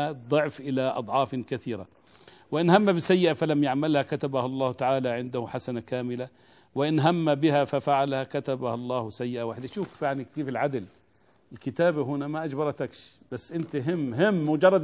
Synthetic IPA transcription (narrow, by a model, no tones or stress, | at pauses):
ad̪ˤʊʕfʔɪlaʔɑ̰d̪ˤʕɑːfkaθiːɾa̰ | wɪʔɪnhamːabɪsajːɪʔafalamjaʕmalhakat̪abahɑlˤːɑːht̪aʕaːlaʕɪnd̪ahʊħasanakaːmɪla | wɪʔɪnɦamːabɪhafafaʕalhakat̪abahɑlˤːɑːhsajːɪʔawaːħɪd̪aʃuːfjaʕnikt̪iːfɪlʕad̪ɪl | ɪlkɪt̪aːbaɦʊnamaʔad͡ʒbɑɾˤɑt̪akʃb̥asːʔɪnt̪aɦɪmːɦɪmːʊd͡ʒɑrˤːɑd̪